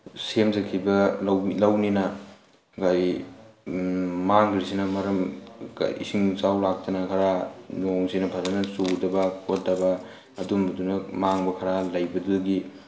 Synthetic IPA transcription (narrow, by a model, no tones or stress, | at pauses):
semzɐkʰibɐwilɐwninɐ | ɡaj | maŋɡɾisinɐmɐɾɐma̰ḭsiŋt͡ʃawlak̚tɐnɐkʰɐɾanoŋsinɐpʰɐɾɐnɐsudɐbɐkʰot̚dɐbɐː | dumbɐdunɐmaŋbɐkʰɐɾalɐjbɐduɡi